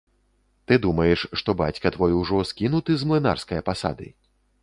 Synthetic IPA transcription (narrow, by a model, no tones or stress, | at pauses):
t̪ɨd̪umɐjɛʂʂt̪ɔbat͡sʲkɐt̪vɔjwʐɔskʲinut̪ɨzmlˠɨna̰rskɐjɐpasa̰d̪ɨ̰